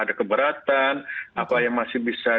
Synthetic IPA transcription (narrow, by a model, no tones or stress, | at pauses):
adakəbəɾat̪anapajaŋmasɪhbisa